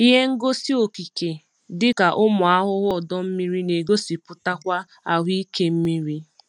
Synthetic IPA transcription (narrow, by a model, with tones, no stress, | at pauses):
i˦ɦe˦ŋ̩˦ɡo˦si˦o˨ki˨ke˨ | dɪ˦ka˨ʔʊ˦mʊ˨a˦ɦʊ˦ɦʊ˦ɔ˨dɔ˦m̩˦mi˦ɾi˦ne˨ɡo˦si˨pʊ˨ta˦kʷa˦ | a˨ɦʷi˦ke˦m̩˦mi˦ɾi˦